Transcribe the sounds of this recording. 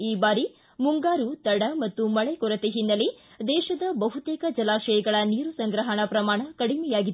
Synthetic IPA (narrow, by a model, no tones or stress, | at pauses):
iːbaːɾi | muŋɡaːɾut̪ɐɽɐmɐt̪ːumɐɭɛkɔɾɐt̪eɦinːɐli | d̪ɛːʃɐd̪ɐbɐɦut̪ɛːkɐd͡ʒɐlaːʃɐjɐɡɐɭɐniːɾusɐŋɡɾɐɦɐɳɐpɾɐmaːɳɐkɐɽimɛjaːɡid̪t̪ː